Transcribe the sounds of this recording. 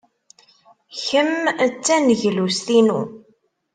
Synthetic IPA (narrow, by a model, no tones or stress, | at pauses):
çəmt͡sːænəʝlust̪inṵ